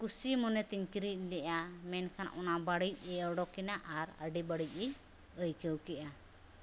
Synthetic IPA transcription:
kusimɔnɛt̪iɲkiɾic̚ˀlɛʔamɛnkʰanʔɔ̰nabaɽic̚ˀɛɔɖɔkinaʔaɾə̰ɖibaɽic̚ˀɛ | əjkəwkɛʔa

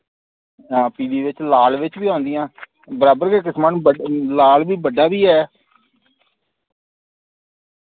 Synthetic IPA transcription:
ãːpiːd̪iːʋɪt͡ʃlaːlʋɪt͡ʃbiːɦõːnd̪ijãː | bəɾaːbəɾɡeːk̬ɪsmənəlaːlʋiːbəɖaːbiːɦɛː

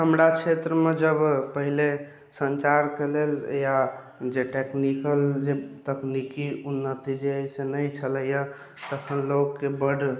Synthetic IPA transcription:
ɦəmɾat͡ʃʰet̪ɾəmed͡ʒəbpəɦile | sənt͡ʃaɾkelelja | d͡ʒeʈeknikəld͡ʒet̪əknikiunːət̪id͡ʒeəjsenəjt͡ʃʰələjə | t̪əkʰənloɡːebəɖʱ

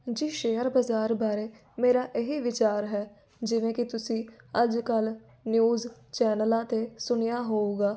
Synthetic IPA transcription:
d͡ʒiːʃeːəɾbəzaːɾbaːɾeː | meːɾaːʔɪɦiʋɪt͡ʃaːɾɦɛː | d͡ʒɪʋẽːkɪt̪ʊsĩː | əd͡ʒkəl | njuːzt͡ʃɛːnəlãːt̪eːsʊnijaːɦoːuːɡaː

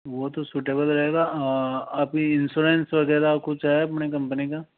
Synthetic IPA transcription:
ʋot̪osuːʈeːbəlɾɐɦeːɡa | aːpiɪnsuːɾeːnsʋɐɡɛːd̪akʊt͡ʃɦɛɐpnekɐ̃mpənika

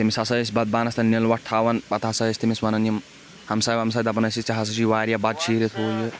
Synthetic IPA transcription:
t̪imisɐsɐsʲbɐd̪̚baːnɐst̪ɐnnilʋɐʈ̚t̪ʰaːʋɐnpɐt̪ɦɐsɐsʲt̪imisʋɐnɐnim | hɐmsabɐmsɐːd̪ɐpɐnɐsiɐɦɐs̬ɐʃiʋaːɾʲijabɐd̪t͡ʃʰiːɾit̪ʰɦoːli

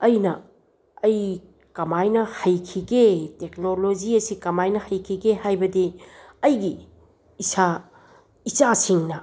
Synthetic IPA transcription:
ɐjnɐ̰ | ɐj | kɐmajnɐhɐjkʰiɡetek̚nolod͡ʒiɐsikɐmajnɐhɐjkʰiɡehajbɐdiɐjɡiː | sa | it͡ʃasiŋnɐ

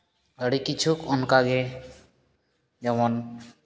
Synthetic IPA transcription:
əɽikit͡ʃʰukɔnkaɡɛ | d͡ʒɔmɔn

